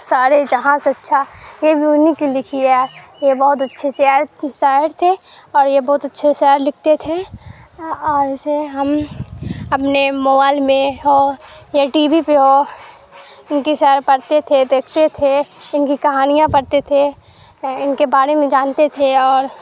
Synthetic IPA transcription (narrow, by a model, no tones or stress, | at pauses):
saːɾed͡ʒɐɦãːsɐtːʃʰajebʱijuʊnikilɪkʰiɛjebɔɦʊt̪̬ɐtːʃʰeʃɛɾsaːɦɪɾt̪ʰe | ɔːɾjebɐɦʊt̪ɐtːʃʰeʃɛːɾlɪk̚ʰt̪et̪ʰe | ɔːɾɪseɦɐm | ɐpnemoːbaːɪlmẽɦojeʈiːbipeɦo | ɪnkiʃɛːɾpɐɾt̪et̪ʰed̪eːkʰt̪et̪ʰeɪnkikɐɦaːnijãpɐɾt̪et̪ʰe | ɪnkebaːɾemẽd͡ʒaːnt̪et̪ʰeɔːɾ